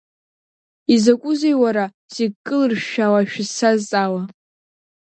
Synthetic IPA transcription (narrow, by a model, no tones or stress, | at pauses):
izakʷʼʊzejwaɾa | z̥eɡ̚kʼːɨlɨrʃawaʃᶣɪsazt͡sʼawa